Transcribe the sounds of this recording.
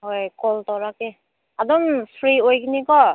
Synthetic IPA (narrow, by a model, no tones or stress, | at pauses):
ɦojkɔltɔɹakɛ | adɔmsʰɹiojkinikɔ